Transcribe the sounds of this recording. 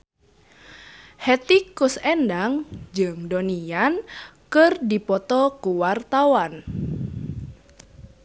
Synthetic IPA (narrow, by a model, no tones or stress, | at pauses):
hɛt̪ikʊsɛndaŋd͡ʒɨŋdɔnijankɨrdipɔt̪ɔkuwart̪awan